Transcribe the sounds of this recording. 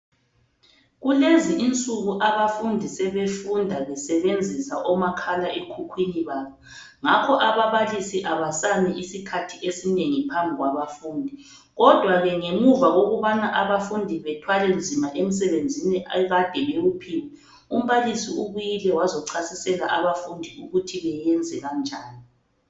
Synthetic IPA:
ɣuleziʔint͡sʼuɣuʔaβafundʱisɛβefundʱaɣɛsɛβend͡zʱisaʔɔmakʰalaʔekʰukʰwiniβaːβɔ | ŋakʰɔʔaβaβalisiʔaβasanɛʔisikʰatʰiʔesineŋipʰambʱiɣwaβafuːndʱi | ɣɔd̥ʱwaɣɛŋemuvaɣoɣuβanaʔaβafundʱiβɛtʰwalɛnd͡zʱimaʔem̩s̬ɛβend͡zʱiniʔɣad̥ʱɛɣeɣupʰiːwɛ | um̩βalisiuɣujilɛwazɔǀʰasisɛlaʔaβafundʱiuɣutʰiβɛjɛnd͡zʱɛɣand͡ʒʱaːni

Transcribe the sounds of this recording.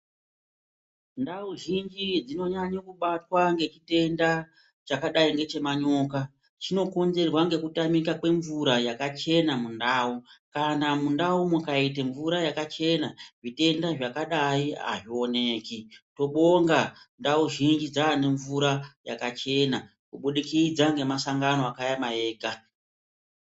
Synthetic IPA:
ndauʒind͡ʒid͡zino̞ɲaɲokuɓatwaŋɡe̞t͡ʃite̞nda | t͡ʃakaɗaiŋɡe̞t͡ʃe̞maɲo̞ka | t͡ʃino̞ko̞nze̞rwaŋɡe̞kutamikakwe̞ɱvuɾajakat͡ʃe̞namundaːukanamundaumukait̬eɱvuɾajakat͡ʃe̞naʐite̞ndaʐakaɗaia̰ʐio̞ne̞kito̞ɓo̞ŋɡandauʒind͡ʒid͡zane̞ɱvuɾaja̰kat͡ʃe̞na | kuɓuɗikid͡zaŋɡe̞masaŋɡanoakajamaeːɡʱa

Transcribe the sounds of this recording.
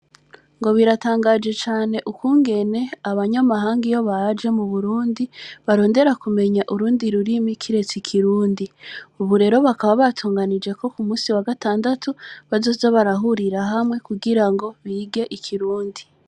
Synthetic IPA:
ŋɡo̞βiɾataːŋɡad͡ʒe̞t͡ʃaːne̞ʔukwuːŋɡe̞ne̞aβaɲamaɦaːŋɡijo̞βad͡ʒe̞muβuɾuːndiβaɾo̞ːnde̞ɾakume̞ɲaʔuɾuːndiɾuɾimikʰiɾe̞t͡sikʰiɾuːndiuβuɾe̞ɾo̞βakaβaβatʰuːŋɡanid͡ʒe̞ko̞kumuːsiwaɡataːndatʰuβazoːzaβaɾaɦuɾiɾaɦamŋe̞kuɡiɾaŋɡo̞βiːɡe̞ʔikʰiɾuːndi

